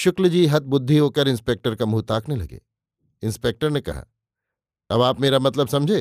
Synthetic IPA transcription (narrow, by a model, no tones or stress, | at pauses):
ʃʊkld͡ʒiːɦɐt̪̚bʊd̪ʱːiɦoːkəɾɪ̃nspeːk̚ʈəɾkamuːt̪aːknelɐ̰ɡḛː | ɪ̃nspeːk̚ʈəɾnekɐ̰ɦa̰ː | ɐbaːpmeːɾamɐt̪ləbsɐ̃md͡ʒʱeː